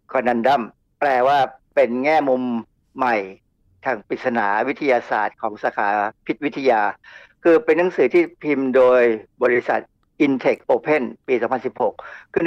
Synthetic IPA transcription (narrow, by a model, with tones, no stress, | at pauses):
kʰɔː˧nːa˧nda˥˩m | plɛː˧waː˥˩pe˧nŋɛː˥˩mu˧mː | a˨˩j | t̪ʰaː˧˩ŋpi˨˩sa˧naː˩˦wi˦˥t̪ʰa˧jaː˧sa̰ː˨˩t̪̚kʰɔː˩˦ŋsa˧kʰaː˩˦pʰi˦˥t̪̚wi˦˥t̪ʰa˧jaː˧ | kʰɯː˧pe˧nːa˩˦ŋsɯː˩˦t̪ʰiː˥˩pʰi˧mdoː˧jbɔː˧ɾi˦˥sa̰˨˩t̪̚ | ʔi˧nt̪ʰe˨˩k̚ʔoː˧pʰe˥˩npiː˧sɔː˩˦mpʰa˧nsi˨˩p̚ho˨˩k̚ʰːɯ˥˩n